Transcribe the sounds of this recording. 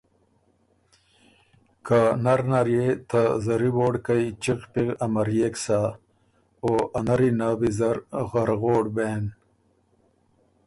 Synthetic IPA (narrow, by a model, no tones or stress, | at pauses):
kanɐɾnaɾjet̪ʰazɐɾiboːɽkait͡ɕiqpiɣɐmɐɾjeːksa | oːʔɐnɐɾinabizɐɾɣɐɾɣoːɽbeːn